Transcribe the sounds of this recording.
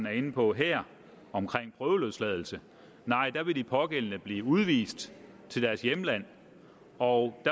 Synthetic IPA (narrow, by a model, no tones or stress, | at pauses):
næɐe̝nəpʰɒ̽ɦeɐ̰ | ɒ̽mkʰʁeŋ̰pʰʁœːʊəløðˠslɛð̞ˠl̩sə | nɑ̈ɪ̰d̥ɑ̈ʋe̝d̥ipʰɒ̽ɡ̥el̰ənəb̥liːuð̞ˠʋḭːsd̥ | t͡sʰe̝ld̥æɐsjemlæn̰ | ɒʊd̥æ